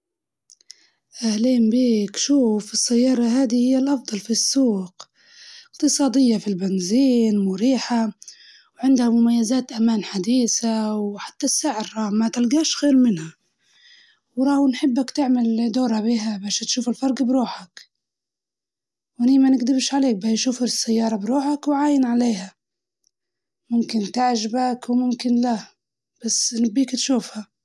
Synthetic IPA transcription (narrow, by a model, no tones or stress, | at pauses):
ʔahliːmbiːkʃuːfɨsːajːɑːɾˤɑɦaːd̪ihɪjːalʔɑfd̪ˤɑlfisːuːq | ɪqt̪ɨsˤɑːd̪ɪjːafilbɪnziːnmʊɾiːħa | wʕɪnd̪hamʊmajːazaːt̪ʔamaːnħad̪iːsawħḁt̪ːasːaʕɪɾɾˤɑːhmat̪ɪlɡaːʃɣeːɾmɪnha | wɾˤɑːwnħɪbːakt̪ɪʕmald̪oːɾhabiːɦabaːʃat̪ʃuːfɪlfɑɾˤɡbɾuːħak | wʔɪniːmanɪɡd̪ɪbʃʕaleːk̚bajʃuːfasːajːɑːɾˤɑbɾuːħakwʕaːjɪnʕaleːha | mʊmkɪnt̪aʕʒabakwmʊmkɪnla | b̥asːnɪbːiːkt̪ʃuːfha